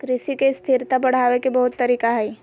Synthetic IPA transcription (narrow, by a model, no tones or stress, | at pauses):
kɾɪsikest̪ʰɪɾt̪abɐɽ̤aːʋekebɐɦʊt̪ːɐɾiːkaɦɛi